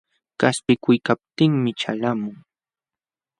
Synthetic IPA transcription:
kaspɪkʊjkap̚t̪ɪŋmɪt͡ʃa̰lamʊŋ

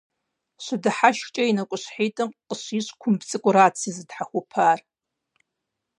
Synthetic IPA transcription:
ɕʷɨdɨħaʃt͡ʃʼɐinɐkʷʼʊɕħeːtʼɨmqʼəɕiːɕkʷʰʊmbt͡sʼɨkʷʼʊɾaːt͡sʰɨzɨdħaxʷʊpʰaːr

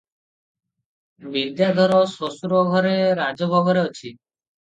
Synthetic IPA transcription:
bid̪jad̪ʱɔɾɔsosuɾɔɡʱɔɾeɾad͡ʒɔbʱɔɡɔɾeot͡ʃʰi

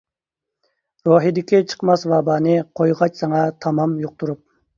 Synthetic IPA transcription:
ɾoɦid̪ɪkʲit͡ʃʰə̥qmɑsvɑːbɑːnɨqʰojʁɑt͡ʃsɑŋɑt̪ʰɑmɑmjoq̚t̪uɾup̚

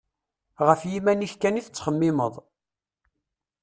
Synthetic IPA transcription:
ʁəfjimæniçkæniθət͡sːχəmːɪməðˤ

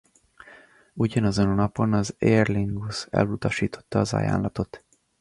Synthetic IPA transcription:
uɟɒnɒzononɒpo̞nɒzerliŋɡusɛ̰lut̪ɒʃiːt̪o̞̥t̪ːɒːzɒ̰ja̰ːnlɒt̪o̞t̪

